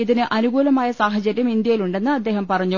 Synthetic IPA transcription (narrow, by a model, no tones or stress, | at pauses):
iðinɨʔʔɐnuɡuːlɐmaːjɐsaːɦɐd͡ʑɐɾʲjɐmind̪jɐjiluɳɖe̞nːɨɐd̪ːe̞ːɦɐmpɐrɐɲːu